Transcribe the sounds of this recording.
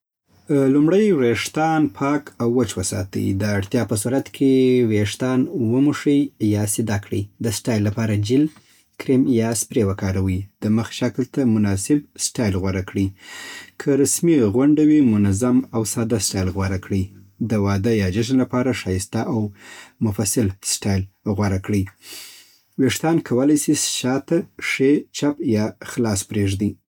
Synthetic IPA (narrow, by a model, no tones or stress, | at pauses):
lumɽəjɾeʂt̪ɑnpʰɑkawːət͡ʃwəsɑ̰t̪ə̰j̰d̪əaɽt̪jɑpəsuɾat̪kʰeweʂt̪ɑnwəmuʂəjjɑsɪd̪ɑkɽḭd̪əsʈɑjlːapɑɾad͡ʒɪl | kɾimjɑspɾewəkɑɾawid̪̥əməxʃaklt̪amʊnɑsɪbsʈɑjlɣwaɾakɽikʰəɾasmiɣwaɳɖawimʊnazamawsɑd̪asʈɑjlɣwaɾakɽi | d̪əwɑd̪əjɑd͡ʒaʒnlapɑɾaʃɑjɪst̪aʔawmʊfasɪlsʈɑjlɣwaɾakɽi | weʂt̪ɑnkʰawəlajsisʃɑt̪aʂet͡ʃapjɑxlɑspɾeʐd̪i